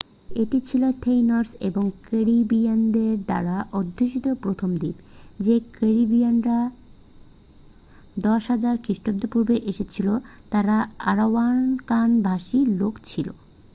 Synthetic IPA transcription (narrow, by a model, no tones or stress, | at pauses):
eʈit͡ɕʰilot̪ʰejnoɾsḛboŋkeɾibiand̪eɾd̪a̰ɾaʔod̪ʱːuʃit̪opɾot̪ʰomd̪ibd͡ʑekeɾibijanɾa | d̪ɔʃɦad͡ʑaɾkʰɾiʃʈob̚d̪opuɾbeʔeʃet͡ɕʰilot̪aɾaa̰ɾawankanbʱaʃilokt͡ɕʰilo̰